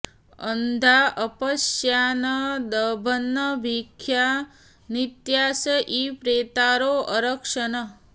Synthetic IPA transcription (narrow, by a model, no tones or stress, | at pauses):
ənd̪ʱaʔəpəsjanəd̪əbʱənːəbʱikʰːja | nit̪jaːsəʔipɾeːt̪aɾoʔəɾəkʂənə